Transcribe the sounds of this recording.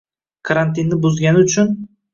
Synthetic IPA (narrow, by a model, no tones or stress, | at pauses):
kʰaɾant̪ɪnːɪbʊzɡʲanɪʊt͡ʃʰʊn